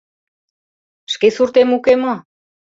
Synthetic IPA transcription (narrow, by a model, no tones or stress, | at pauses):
ʃkesuɾt̪emukemo